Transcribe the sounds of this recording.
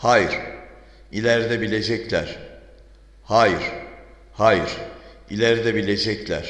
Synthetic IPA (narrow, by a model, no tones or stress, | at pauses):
hajiɾ̥ | ilʲæɾd̪ɛbilʲed͡ʒɛclʲæɾ̥ | haːjiɾ̥ | hajiɾ̥ | ilʲæɾd̪ɛbilʲe̞d͡ʒɛclʲæ̰ɾ̥